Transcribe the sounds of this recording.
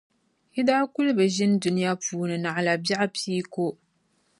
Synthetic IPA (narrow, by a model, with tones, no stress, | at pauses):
hɪ˦daː˦kʊ˦lbɨ˨ʒɪ˦n˦dʊ˦nɪ˦ja˦puː˨˦nɨ˨na˨ʔla˨bja˦ʔpʰiː˦ko˦